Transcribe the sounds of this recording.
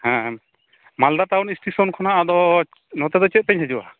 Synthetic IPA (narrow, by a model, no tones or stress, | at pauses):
hɛ̃ | mald̪atawnisʈisɔnkʰɔnaad̪ɔ | nɔt̪ɛd̪ɔt͡ʃɛt̪̚pɛɲɦɛd͡ʒuʔa